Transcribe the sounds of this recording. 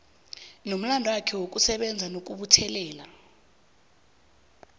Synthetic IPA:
nom̩landʱwakʰɛwok̬ʼusɛɓɛnd͡zʱanok̬ʼuɓutʰɛlɛːla

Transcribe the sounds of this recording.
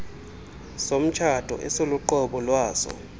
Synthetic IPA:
som̩t͡ʃʰad̥ʱɔ̰ʔɛsoluǃɔɓɔlwaːsɔ̰

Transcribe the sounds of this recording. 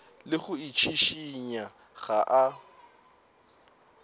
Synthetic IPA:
lɪɣʊit͡ʃʰiʃiɲa | ɣaʔa

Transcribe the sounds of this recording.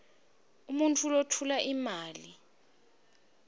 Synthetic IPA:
umuntʰulotʰulaʔimaːli

